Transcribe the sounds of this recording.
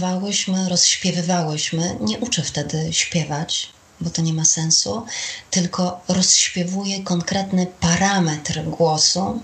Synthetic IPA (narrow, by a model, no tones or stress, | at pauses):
vawɘɕmɘɾɔsɕpʲjɛvɘvawɘɕmɘɲɛʔut͡ʂɛft̪ɛd̪ɘɕpʲjɛvat͡ɕ | bɔt̪ɔɲɛmasɛnsut̪ɘlkɔɾɔsɕpʲjɛvujɛkɔŋkɾɛt̪nɘpaɾamɛt̪ɾɡwɔsu